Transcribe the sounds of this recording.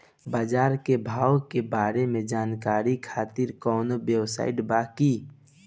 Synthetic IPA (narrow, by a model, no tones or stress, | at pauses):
baːd͡ʒaːɾkebʱaːwkebaːɾemẽd͡ʒaːnkaːɾikʰaːt̪ɪɾkɔːnobjewsa̰ːɪʈbaːki